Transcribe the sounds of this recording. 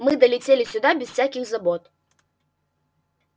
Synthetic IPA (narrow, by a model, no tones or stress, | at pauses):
mɨd̪ɐlʲit͡sʲelʲisʲud̪abʲɛssʲakʲixzabɔt̪